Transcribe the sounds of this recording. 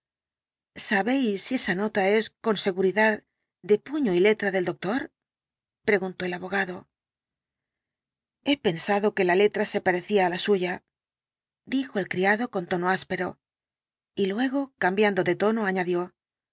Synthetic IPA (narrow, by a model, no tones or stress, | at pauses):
saβe̞jsːie̞sano̞t̪ae̞sko̞nse̞ɣuɾiðað | d̪e̞puɲo̞ile̞t̪ɾaðe̞ld̪o̞k̚t̪o̞ɾ | pɾe̞ɣunt̪o̞e̞laβo̞ɣ̞aðo̞ | e̞pe̞nsaðo̞ke̞lale̞t̪ɾase̞paɾe̞θiaːlasuʝa | d̪ixoe̞lkɾiaðo̞ko̞nt̪o̞no̞aspe̞ɾo̞̰ | ilwe̞ɣ̞o̞kambjand̪o̞ðe̞t̪o̞no̞aɲaðjo̞